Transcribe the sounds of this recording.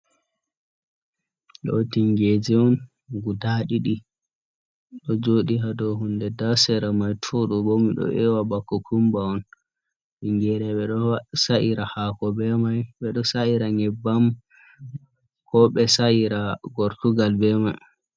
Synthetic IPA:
ɗɔ̰tiŋɡed͡ʒɛɔn | ɡudaɗiɗi | ɗɔd͡ʒoɗiɦadɔɦundɛdasɛɾamajtʰoɗubomiɗɔ̰ʔɛwabakːɔkʰumbaɔn | ɗiŋɡɛɾɛɓɛɗɔsaʔiɾahakɔbɛmajɓɛɗɔsaiɾaŋɛbːam | kʰɔɓɛsaiɾaɡoɾtuɡalbɛmaj

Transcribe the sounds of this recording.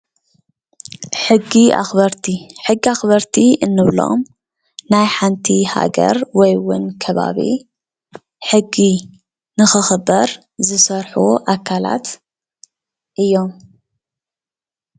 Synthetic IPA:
ħɨɡːiʔa̰xbɐɾt̪ʰiħɨɡːiaxbɐɾt̪ʰiʔɨnːɨβlo̞̰m | najħant̪ʰiha̰ɡɐ̰ɾwɔjwʊnkʰɐβa̰βḭ | ħɨɡːi | nɨxɨxɨbɐɾ | zɨsɐɾħuʔakʰala̰t̪ | ʔɨjːo̞m

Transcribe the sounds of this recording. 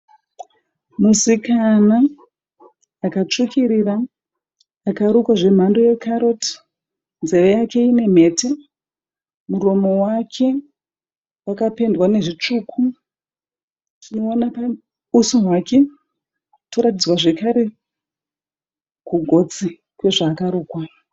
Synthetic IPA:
musikana | kat͡ʂukʰiɾiraː | kaɾukwaʐe̞m̤andoje̞kʰaɾo̞ti̥ | nzerejake̞ine̞m̤e̞ːte | muɾo̞mo̞wakʰe̞ | wakape̞ndwane̞ʐit͡ʂukʰu | konapa | usuɦwake̞ | toɾatid͡zwaʐe̞kaɾe̞ | kuɡʱo̞t͡si | kwe̞ʐaːkaɾoːkwa

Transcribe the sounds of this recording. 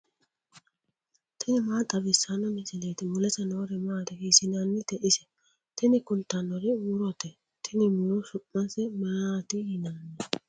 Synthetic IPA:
t̪ʰɪnɪmaːt̪ʼɐbɪsːanɔmɪsɪleːt̪ɪmʊlɛsɐnoːɾɛmaːt̪ɛhisɪnɐnːɪt̪ɛʔɪsɛ̥ | t̪ɪnɪkʊlt̪ɐnɔɾɪuːɾɔt̪ɛ | t̪ʰɪnɪmʊlɔsʊʔmɐnsɛmɐɾaːt̪ɪhɪnɐnːɛ

